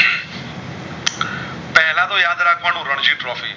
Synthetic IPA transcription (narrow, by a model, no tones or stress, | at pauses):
pɛɦlãt̪ojaːd̪ɾakʰʋaːnũɾəɳd͡ʒiːʈɾɔːfḭː